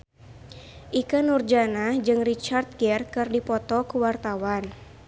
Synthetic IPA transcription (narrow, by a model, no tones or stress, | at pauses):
ʔikənurd͡ʒanad͡ʒɨŋrit͡ʃart̪̚ɡɛrkɨrdipɔt̪ɔkuwart̪awan